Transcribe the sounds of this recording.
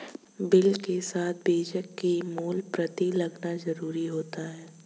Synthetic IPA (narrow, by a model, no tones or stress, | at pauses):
bɪlkesaːt̪̚ʰbeːd͡ʒəkːimuːlpɾɐt̪ilɐɡnazɐɾuːɾiɦoːt̪aɦɛː